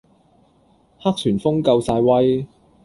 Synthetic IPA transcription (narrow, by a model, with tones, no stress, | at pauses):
ha˥k̚t̪ʰyː˨˩nfʊ˥ŋkɐ˧wsaː˧jwɐ˥j